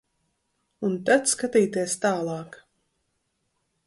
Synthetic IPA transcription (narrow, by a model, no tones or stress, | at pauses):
unt̪at̪skat̪iːt̪iɛst̪aːlˠɑːk